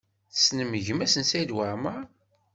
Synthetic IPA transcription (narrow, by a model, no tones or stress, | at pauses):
θsnəməʝəmæsənsæjd̪waɾməɾ